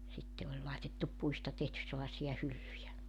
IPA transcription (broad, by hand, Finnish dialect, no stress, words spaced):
sitːe olʲ lɑitetːup puistɑ tehtys̆ selːɑĕsiɑ hylːyjæ